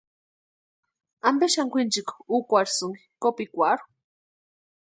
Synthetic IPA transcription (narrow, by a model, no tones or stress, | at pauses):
ambeʃaŋkʷint͡ʃikukʷaɾsuŋi̥kopikʷaɾu̥